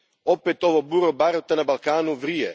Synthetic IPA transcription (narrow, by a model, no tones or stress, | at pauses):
opet̪o̞ʋobuɾobaɾot̪anabalˠkaːnuʋɾije